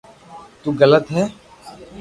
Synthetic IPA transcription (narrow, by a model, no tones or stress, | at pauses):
t̪uːɣələt̪ɦɛː